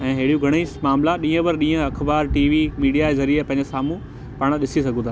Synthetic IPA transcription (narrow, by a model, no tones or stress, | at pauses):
ɛ̃ːɦeɽijũɡʱɐɽ̃eimaːmlaɗĩːə̃bɐɾɗĩːə̃ɐkʰbaːɾʈiːʋimiːɖijaezɐɾiəpɐ̃ɦɪ̃ɲd͡ʑasaːmũ | paːɽ̃ɗɪsisɐɡʱũt̪ʰaː